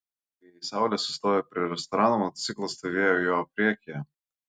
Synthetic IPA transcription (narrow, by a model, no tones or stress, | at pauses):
isɑˑʊlʲɛsʊst̪oːjɛpʲɾʲɪɾʲɛst̪ɔɾɑːnumɔt̪ɔt̪sʲiːklˠɐst̪oʋʲeːjojoːpʲɾʲiɛkʲejɛ